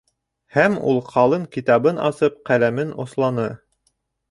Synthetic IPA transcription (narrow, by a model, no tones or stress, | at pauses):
hæmṵlˠqʰɑlˠɤɴkit̪ɑβɤnɑ̰sɤp̚qælæmɘnŏ̰slˠɑnɤ